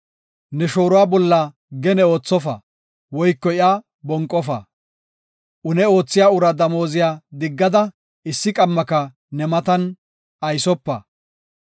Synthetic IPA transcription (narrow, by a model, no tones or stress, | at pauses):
nɛʃo̞ːɾʊwaːbɔlːɐ | ɡɛnɛo̞ːt͡sːɔfɐ̰ | wɔjkːɔɪa | bɔŋkʼːɔfɐ̰ | ʔʊnɛo̞ːt͡sːɪjaːʊɾɐd̪ɐmo̞ːzɪjaːd̪ɪɡːɐd̪ɐ | ɪsːɪkʼɐmːɐkɐ | nɛmɐt̪ɐn | ɐjsɔpːɐ̰